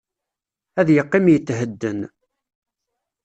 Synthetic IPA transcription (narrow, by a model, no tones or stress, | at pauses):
æðjəqːɪmjət͡sːɦəd̪ːən